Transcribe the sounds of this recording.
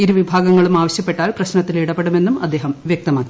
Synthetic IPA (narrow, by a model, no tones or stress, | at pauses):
iɾuʋibʱaːɡɐŋːɐɭumaːʋɐɕjɐpːe̞ʈːaːlprɐɕnɐt̪ːiliɽɐpːeɽume̞nːumɐd̪ːe̞ːɦɐmʋjɐk̚t̪ɐmaːkːi